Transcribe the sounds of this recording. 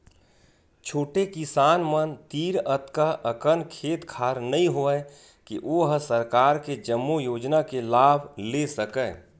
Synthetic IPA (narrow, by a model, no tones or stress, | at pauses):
t͡ʃʰoːʈekɪsaːnmənt̪iːɾət̪kaʔəkənkʰeːt̪kʰaːɾnəĩɦoɛ | kiʔoɦsəɾkaːɾked͡ʒəmːujoːd͡ʒnakelaːbʱlesəkɛː